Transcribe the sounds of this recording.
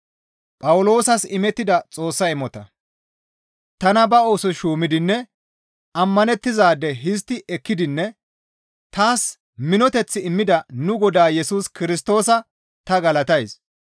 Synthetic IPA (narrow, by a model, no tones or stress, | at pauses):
pʼɐwʊlo̞ːsɐsɪmɛt̪ːɪd̪ɐt͡sʼo̞ːsːɐɪmɔt̪ɐ | t̪ɐnɐbɐoːsɔʃuːmɪd̪ɪnːɛ | ɐmːɐnɛt̪ːɪzaːd̪ɛɦɪs̬t̪ːɪʔɛkːɪd̪ɪnːɛ | t̪aːs | mɪnɔt̪ɛt͡sːɪɪmːɪd̪ɐnʊɡɔd̪aːjɛsuːskɪɾɪs̬t̪o̞ːsɐ | t̪ɐɡɐlɐt̪ɐjs